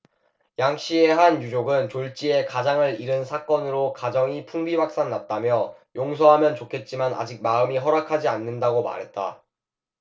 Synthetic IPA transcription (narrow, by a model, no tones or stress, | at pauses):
jaŋɕ͈ie̞ɦanjud͡ʑoɡɯnt͡ɕoɭt͡ɕ͈ie̞kad͡ʑaŋɯɾiɾɯnsʰak͈ʌnɯɾokad͡ʑʌŋipʰuŋbiwak̚s͈aŋnat̚t͈amjʌjoŋsʰʌɦamjʌnt͡ɕokʰe̞t̚t͡ɕ͈imana̰d͡ʑik̚maɯmiɦʌɾakʰad͡ʑianːɯndaɡoma̰ɾɦe̞t̚t͈a̰